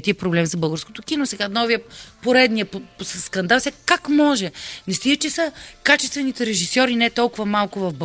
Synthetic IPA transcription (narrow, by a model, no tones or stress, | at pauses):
t̪ipɾoblɛmzɐbɤlˠɡəɾsko̥t̪okinosɛɡanɔvijəpoɾɛd̪nijəpsskɐnd̪alˠsɛkakmɔʒɛnɛst̪iət͡ʃɛsəkat͡ʃɛst̪vɛnit̪ɛɾɛʒisɔɾinɛt̪ɔlˠkʊvɐmalˠkʊvɐvb